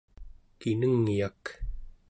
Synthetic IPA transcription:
kinəŋjak

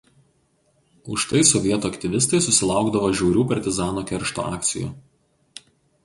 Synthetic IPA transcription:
ʊʃt̪ɐɪsɔʋʲiɛt̪uːɐkt̪ʲɪʋʲɪst̪ɐɪsʊsʲɪlˠɑˑʊɡd̪ɐʋoːʒʲɛʊɾʲuːpɐɾʲt̪ʲɪzɑːnoːkʲɛɾʲʃt̪o̰ːɑːk̚t̪sʲɪjṵː

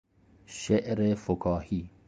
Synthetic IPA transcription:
ʃeʔɾefʊkʰɑːhiː

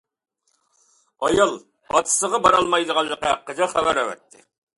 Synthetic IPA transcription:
ɑjɑlˠ | bɑt̪ʰɨ̥səʁɑbɑɾɑlˠmɑjd̪əʁɑlˠːəqɑqːəd͡ʒɑχæbæɾæwɛ̰t̪ʰːɪ̰

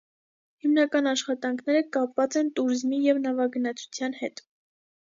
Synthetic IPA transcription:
himnɑkɑnɑʃχɑt̪ɑŋkʰnɛɾəkɑpvɑt͡sɛnt̪uɾizmijɛvnɑvɑɡənɑt͡sʰu̥t͡sʰjɑnhɛt̪

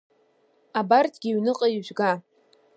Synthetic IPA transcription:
abartʰʼɡʲɪɥnɨqʼaiʒʷɡa

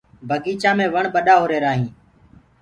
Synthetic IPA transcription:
bʱəɡiːt͡ʃãːmẽːʋəɳɓəɗaːɦoːɾeːɾaːɦĩː

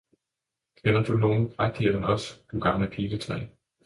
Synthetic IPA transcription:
kʰenɐd̥uno̝ːn̩fʁaɡ̥̚d̥iɐd̥ənɒ̽sd̥uɡ̥ɑ̈mləpʰiːlət͡sʰʁɛ̰ː

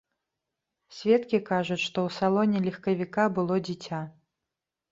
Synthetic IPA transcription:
sʲvʲɛt̪kʲikaʐut͡sʲʂt̪ɔwsalˠɔnʲɛlʲixkɐvʲikabɨlˠɔd͡zʲit͡sʲa

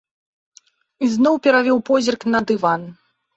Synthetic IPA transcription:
iznɔwpʲɛɾavʲɔwpɔzʲirknɐd̪ɨvan

